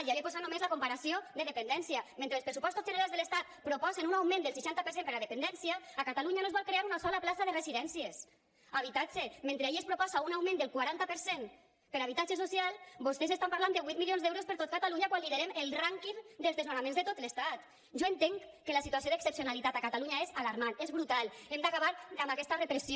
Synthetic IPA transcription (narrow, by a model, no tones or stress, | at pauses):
iaepozat̪nomezlakompaɾasiod̪eðepend̪ɛnsiamẽnt̪ɾelˠspɾesupɔst̪ozʒeneɾalzðelest̪at̪̚pɾopɔzenunawmẽnd̪elˠs̬iʃant̪apeɾsempeɾaðepend̪ɛnsijaːkat̪aluɲanoezβɔlˠkɾeaɾunasɔlaplasaðereziðɛnsies | aβit̪ad͡ʒement̪ɾeiespɾopɔsaunawmẽnd̪elˠkwaɾant̪apəɾsen | peɾaβ̞it̪ad͡ʒesosialˠbost̪ezest̪ampaɾland̪eβwit̪milionzd̪ɛwɾospəɾt̪ot̪̚kat̪aluɲakwanliðeɾemelˠraŋkimd̪elzðezonamẽnzðet̪ot̪lest̪at̪ | ʒoent̪eŋkelasit̪uas̬ioðeksepsionalit̪at̪akat̪aluɲaezalaɾmanezβɾut̪alˠemd̪akaβaɾamakɛst̪arepɾesi